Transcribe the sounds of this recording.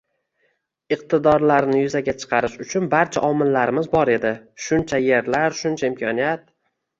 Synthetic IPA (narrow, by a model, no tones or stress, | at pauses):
ɨq̚t̪ʰɪd̪ɒɾlaɾnɪjʊzaɡʲat͡ʃʰɨ̥qʰɑɾɪʃʊt͡ʃʰʊnbaɾt͡ʃʰa̰ʔɒmɪlːaɾɪmɪzbɒɾe̞d̪ɪʃʊnt͡ʃʰaje̞ɾlaɾʃʊnt͡ʃʰaɪmkʰɒnijat̪̚